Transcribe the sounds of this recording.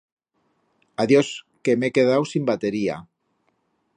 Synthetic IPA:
aðjos | kemekeð̞awsimbat̪eɾia̰

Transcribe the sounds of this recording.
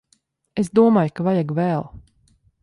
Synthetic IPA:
esd̪uɔmaːjkavajaɡvɛːlˠ

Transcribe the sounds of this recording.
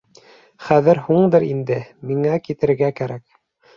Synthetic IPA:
χæðɘɾhuɴd̪ɤɾind̪ɘmiŋækit̪ɘ̆ɾɘ̆ɾɡækæɾæk

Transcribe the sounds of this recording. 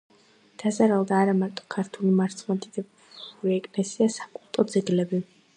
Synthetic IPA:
d̪̥azaɾalˠd̪aːɾamaɾt̪ʼɔ̥kʰaɾt̪ʰulimaɾt̪sʰmat̪ʼid̪ɛb | uɾiɛkʼlɛsiasakʼulˠt̪ʼɔd̪zɛɡlɛbi

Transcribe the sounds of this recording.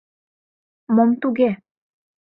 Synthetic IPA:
momt̪uɡe

